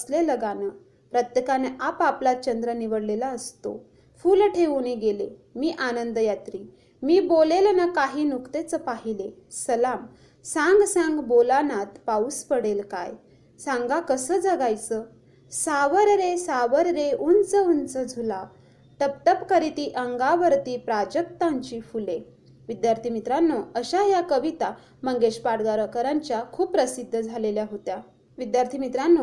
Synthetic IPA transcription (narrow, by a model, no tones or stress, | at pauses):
əsleləɡanə | pɾət̪jəkaneʔapaplat̪̚t͡ɕənd̪ɾəniʋəɽlelaəst̪o̰ | fuːlʈʰeʋuniɡele | miːʔanənd̪əjat̪ɾiː | miːbolelnakaɦiːnukt̪et͡səpaɦilesəlam | sãŋɡsãŋɡbolanat̪pauspəɽelka̰j | sãŋɡakəsəːd͡zəɡajt͡sə | saʋəɾɾesaʋəɾɾeunt͡səunt͡səd͡zʱula | t̪əp̚t̪əpkəɾit̪iʔəŋɡaʋəɾt̪ipɾad͡ʑək̚t̪aɲt͡ɕifule | ʋid̪jaɾt̪ʰimit̪ɾanːɔəɕajakəʋit̪a | məŋɡeɕpaɽɡaɾəkəɾãɲt͡ɕjakʰuːpːɾəsid̪ʱːəd͡zʱaleljaɦot̪ja | ʋid̪jaɾt̪ʰimit̪ɾanːɔ